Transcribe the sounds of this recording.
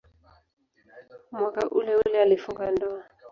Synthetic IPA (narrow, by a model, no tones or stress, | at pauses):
mwakaʔulɛulɛalifuŋɡandɔa